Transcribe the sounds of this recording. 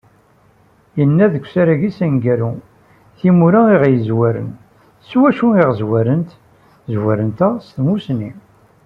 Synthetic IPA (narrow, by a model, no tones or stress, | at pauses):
jənːæðəkʷːsæɾæʝisænɡæɾu | θimuɾaiʁjəzwæɾə̰n | swæʃuiʁzwæɾənt̪ | zwæɾənt̪æst̪musni